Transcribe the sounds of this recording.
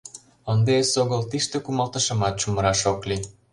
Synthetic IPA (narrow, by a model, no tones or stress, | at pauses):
ənd̪eesoɣəlt̪iʃt̪ĕkumɑlt̪ə̆ʃɤ̆mɑt̪̚t͡ɕumə̆ɾɑʃokli